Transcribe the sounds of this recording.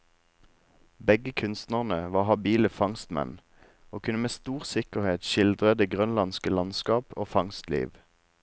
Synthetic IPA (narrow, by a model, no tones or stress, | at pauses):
bɛɡəkʰʉnst̪nəʁnəʋɑːhɑbiːləfɑŋst̪mɛ̰n | oːkʰʉnəmeːst̪uːʁsɪkəʁheːt̪ʃɪld̪ʁəd̪eːɡʁœnlɑnskəlɑnskɑːpoːfɑŋst̪lḭːʋ